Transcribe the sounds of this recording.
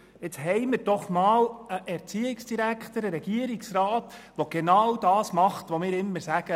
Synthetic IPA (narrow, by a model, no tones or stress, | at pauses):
ɪt͡sɦɛɪmɪɾd̥ɔχmɑːləʔɛɾt͡siɪksd̥iɾækχt̪əɾəɾɛɡ̥iəɾiksrɑːtʋoɡ̥enɑwd̥ɑːsmɑχt̪ʋomɪːɾɪmːəɾsæɡə